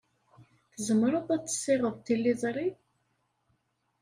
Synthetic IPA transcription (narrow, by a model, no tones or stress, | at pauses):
θəzəməɾˤabæt͡sːə̥sːɪʁəðˤt̪ːilːizˤɾˤi